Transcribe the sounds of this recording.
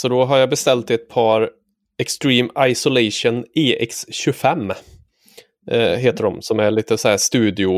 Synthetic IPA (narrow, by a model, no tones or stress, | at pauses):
sɔd̪ɔɦaɾjɑbɛst̪ɛlt̪ɪɛt̪̚pʰɑːɾ | ɛkst̪ɾiːmaɪsʊlɛɪʂʊnɪʔɛ̰ksɕɵfɛmː | ɦeːt̪əɖɔmsɔmæɭiːt̪əsɔhæːʂt̪ʉ̟ːd̪ɪʊ